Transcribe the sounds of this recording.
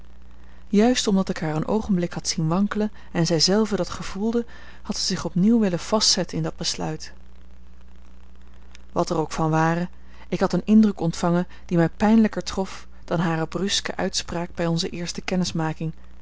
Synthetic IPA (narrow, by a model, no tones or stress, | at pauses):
jœɥstɔmdɑtɪkɦaːɹənʔo̰wχənblɪkɦɑtsinʋɑŋklə | ɛnzɛjzɛlˠvədɑtχəv̥ulˠdə | hɑtsəzɪχɔpniwʋɪləv̥ɑstsɛtənɪndɑd̚bəslœ̰ɥt | ʋɑtərowkfɑnʋaːrə | ɪkɦɑtənɪndrəkɔntfɑŋən | d̥imɛjpɛjnləkəɹtrɔf | d̥ɑnɦaːrəbrɵskə̰ʔœ̰ɥtspraːɡ̚bɛjɔnzəʔɪːɹstəkɛnɪsmaːkɪŋ